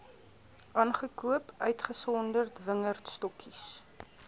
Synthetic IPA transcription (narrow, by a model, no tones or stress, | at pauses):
ʔɑːnχəkuəpœɥtχəsɔndərtvəŋərtstɔkʰis